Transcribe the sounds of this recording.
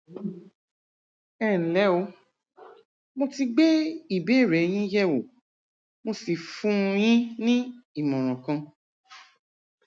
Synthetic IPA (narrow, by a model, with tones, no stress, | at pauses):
ɛ˦˨n̩˨lɛ˨˦o˧˦ | mo˧ti˧ɡ͡be˦i˦˨bɛ˨˦˨ɾɛ˨˦j̃ĩ˦jɛ˦wo˨ | mo˧si˨fũ˦˧j̃ĩ˦nĩ˦i˦˨mɔ̃˨ɾ̃ã˨kã˧